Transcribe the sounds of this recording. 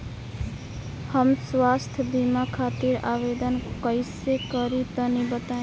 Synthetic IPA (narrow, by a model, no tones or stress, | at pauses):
həmswast̪ʰbimakʰat̪iɾabed̪ənkəjsekʌɾit̪ənibət̪ã